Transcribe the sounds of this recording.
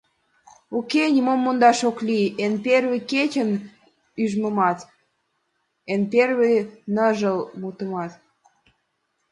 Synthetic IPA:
ukenʲimomːond̪ɑʃoklienperβeket͡ɕən | yʒməmɑt̪ | enperβenəʒəlmut̪əmɑt̪

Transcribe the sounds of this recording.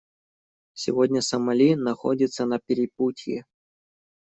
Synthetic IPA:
sʲɪ̰vodʲnʲəsəmɐlʲinɐxo̰dʲɪt̪sənɐpʲɪɾʲɪputʲjɪ

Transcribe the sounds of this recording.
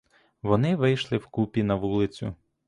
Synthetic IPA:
ʋɔnɪʋɪjʃlˠɪwkupʲinɐʋulˠɪt͡sʲʊ̰

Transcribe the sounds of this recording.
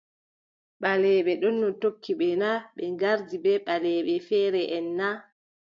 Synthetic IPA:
ɓalɛɓɛɗɔnːɔtokʰːiɓɛnaɓɛŋɡaɾdibɛɓalɛɓɛfɛːɾɛʔɛnːa

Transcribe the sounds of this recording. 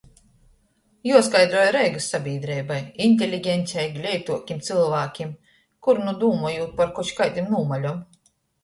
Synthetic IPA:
juɔskajd̪ɾuɔjɾɛjɡɨsːabʲiːd̪ɾɛjbajinʲt̪ʲelʲiɡʲɛnʲsʲɛjɡlʲɛjt̪uɔkʲimt̪silˠvaːkʲim | kuɾnud̪uːmɔjuːt̪̚paɾkɔʃkajt̪ʲimnuːmalʲɔm

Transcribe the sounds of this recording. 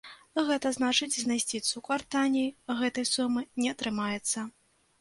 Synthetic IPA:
ɣɛt̪ɐznat͡ʂɨd͡zʲzʲnajsʲt͡sʲit̪sukvart̪anʲijɣɛt̪ɐjsumɨnʲɛɐt̪ɾɨmajɛt̪sːɐ

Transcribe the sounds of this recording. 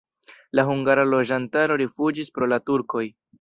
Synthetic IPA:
laɦuŋɡaɾalo̞d͡ʒantaɾo̞ɾifud͡ʒispɾo̞latuɾko̞j

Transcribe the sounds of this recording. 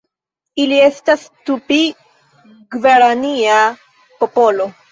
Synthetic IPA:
ilie̞stastupi | ɡve̞ɾania | popo̞lo̞

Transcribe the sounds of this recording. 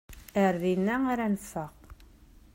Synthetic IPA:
æɾðinæŋæɾænsɑq

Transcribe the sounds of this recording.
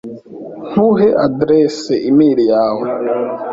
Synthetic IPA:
n̥uɦeʔadɾeseʔimiːɾijaːwe

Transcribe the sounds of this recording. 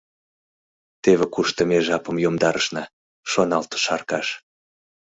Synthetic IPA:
t̪eβekuʃt̪ə̆meʒɑpəmjomd̪ɑɾəʃnɑ | ʃonɑlt̪ɤ̥ʃɑrkɑʃ

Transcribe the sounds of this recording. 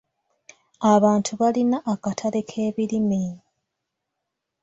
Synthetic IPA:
aβaːntʰuβalinaʔːkatʰale̞kʰe̞ːβilimi

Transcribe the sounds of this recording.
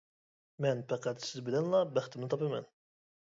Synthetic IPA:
mɛnpæqʰæt̪sɪzbilɛnlˠɑbæχt̪ʰɪmnɪt̪ʰɑpemɛ̰n

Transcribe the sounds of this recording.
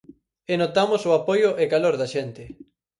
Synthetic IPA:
enot̪amʊsoapojʊʔekaloɾðɐʃɛnt̪ɪ

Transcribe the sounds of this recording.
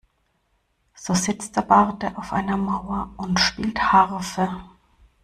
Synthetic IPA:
z̥oːzɪt͡std̥eːɐb̥aʁdəʔaʊfʔa̰ɪnɐmaʊɐʔʊntʃpiːlthaʁfə

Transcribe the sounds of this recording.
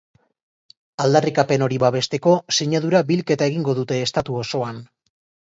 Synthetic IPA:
ald̪arikape̞no̞ɾiβaβe̞st̪e̞ko̞seɲað̞uɾabilke̞t̪ae̞ɣ̞iŋɡo̞ðut̪e̞ːst̪at̪uoso̞an

